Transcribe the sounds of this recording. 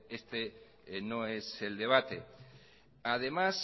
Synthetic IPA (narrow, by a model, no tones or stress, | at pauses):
est̪e | noe̞se̞ld̪e̞β̞at̪e | að̞emas